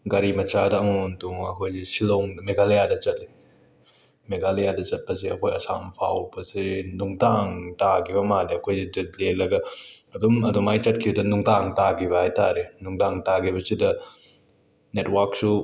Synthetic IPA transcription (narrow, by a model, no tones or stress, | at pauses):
ɡɐɾimɐt͡ʃadɐːŋontuŋɐkʰojzesiloŋmeɡalejadɐt͡ʃɐt̚li | meɡalejadɐt͡ʃɐt̚pɐs̬eɐkʰojɐsa̰mpʰawbɐsenuŋdaŋtakʰibɐmadiɐkʰojzid͡ʒit̚lelɐɡɐ | ɐdumɐdɔmajt͡ʃɐt̚kʰibdɐnuŋdaŋtaɡiβɐhajtaɾenuŋdaŋtaɡiβɐsidɐ | netwak̚su